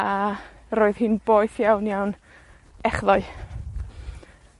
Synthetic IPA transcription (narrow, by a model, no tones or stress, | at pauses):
a | ɾoːɨðhɨnboːɨθjawnjawn | ɛχðɔɨ